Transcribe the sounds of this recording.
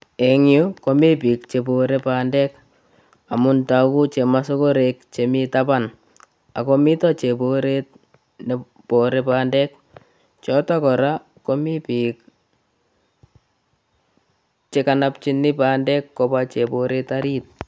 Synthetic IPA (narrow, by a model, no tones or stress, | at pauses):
eŋjukomipik̚t͡ʃeboɾepaːndɛk | amʊntakut͡ʃemasokoɾekt͡ʃemitapan | akomitɔt͡ʃeboɾet̚ | ne | poɾepaːndɛk̚ | t͡ʃɔtakɔɾa | komipik | t͡ʃekanap̚t͡ʃinːɪpandɛkːɔbat͡ʃepoɾetaɾit̚